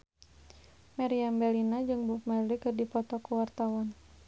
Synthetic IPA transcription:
maɾiambɛlinad͡ʒɨŋbufmarlikɨrdipɔt̪ɔkuwart̪awɔn

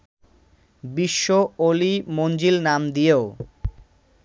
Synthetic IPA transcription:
biʃːoolimond͡ʑilnamd̪ijeo

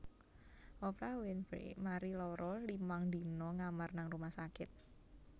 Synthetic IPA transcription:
ʔɔpɾawɪnbḛmaɾilɔɾɔlimaŋd̪i̤nɔŋamarnaŋrumahsakɪt̪̚

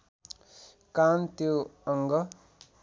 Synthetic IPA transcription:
kant̪joʌŋɡʌ

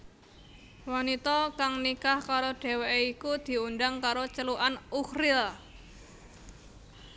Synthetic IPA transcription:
wanit̪ɔkaŋnikahkaɾoɖ̥e̤weikud̪̥i̤unɖaŋkaɾot͡ʃəluʔanuhrɪl

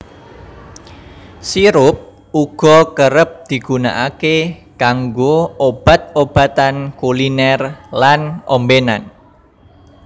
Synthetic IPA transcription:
siɾʊp̚ | uɡ̥ɔ̤kəɾəp̚d̪̥i̤ɡ̥ṳna̰ʔake | kaŋɡoob̥a̤t̪̚ob̥a̤t̪ankulinɛrlanʔombena̰n

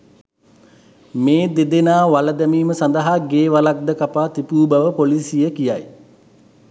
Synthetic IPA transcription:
meːd̪ed̪enaːʋaləd̪æmiːməsand̪əɦaɡeːʋalak̚d̪əkapaːt̪ipuːbaʋəpolisijəkija̰j

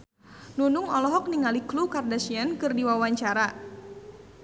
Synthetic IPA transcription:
nunʊŋɔlɔɦɔk̚niŋaliklukardasiankɨrdiwawaɲt͡ʃaɾa

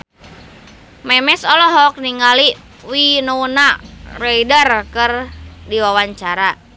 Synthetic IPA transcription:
mɛmɛsɔlɔɦɔk̚niŋɡali | winounaraidərkərdiwawaɲt͡ʃaɾa

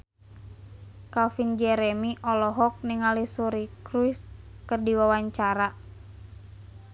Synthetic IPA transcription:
kafind͡ʒɛɾɛmiʔɔlɔɦɔk̚niŋalisuɾikɾuiskərdiwawaɲt͡ʃaɾa

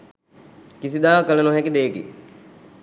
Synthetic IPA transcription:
kisid̪aːkələnoɦɛkid̪eːkḭ

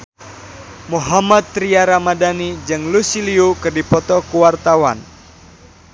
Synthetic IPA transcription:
muɦamad̪̚ːɾiaɾamadanid͡ʒɨŋlusiliukɨrdipɔt̪ɔkuwart̪awan

